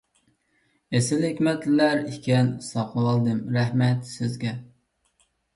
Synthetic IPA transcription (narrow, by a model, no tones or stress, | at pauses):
esɪlhɪkʲmɛt̪lɪlæɾikʲɛnsɑqʰəwɑlˠd̪ɨmɾæhmɛt̪sɪzɡʲɛ